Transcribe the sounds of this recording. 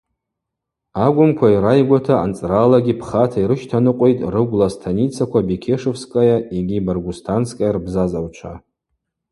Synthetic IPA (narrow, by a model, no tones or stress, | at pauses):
aɡʷʊmkʷʰaiɾajɡʷatʰa̰ːnt͡sʼralaɡʲipʰχatʰaiɾɨʃtʰanɨqʷʼejtʼrɨɡʷlastʰanit͡sʰakʷabikʲʰe̞ʂɨfskʼajaiɡʲibarɡʷustʰansʰkʼarbzazawt͡ʃʷʰa̰